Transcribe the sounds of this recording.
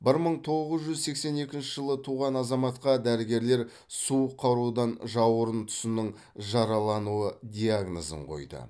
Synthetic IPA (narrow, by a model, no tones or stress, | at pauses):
bɪɾməɴt̪ʰo̞ʁəzʒʏzse̞kse̞ne̞kʲɪnʃɪʒəlˠət̪ʰuʁɑnɑzɑmɑt̪qɑd̪æɾɪɡʲe̞ɾle̞ɾ | suəqʰːɑɾud̪ɑnʒɑwəɾənt̪ʰʊ̥sɪnɪɴ | ʒɑɾɑlˠɑnuəd̪ʲiaɡnozə̰ɴqʰo̞̰jd̪ə̰